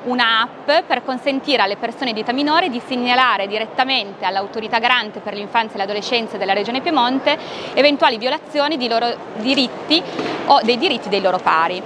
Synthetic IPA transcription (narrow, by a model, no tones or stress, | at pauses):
unaappːperkonsent̪iːɾealːepersoːned̪it̪aminoːɾid̪isiɲːalaːɾed̪iɾet̪ːament̪ealːawt̪oɾit̪aɡaɾant̪eperleiɱfant̪saelad̪olet͡ʃːɛnt̪sad̪elːaɾed͡ʒoːnepjemont̪eːvent̪waːlivjolat̪sːjoːnid̪eloːɾo | d̪iɾit̪ːiod̪ejd̪iɾit̪ːid̪ejloːɾopa̰ːɾi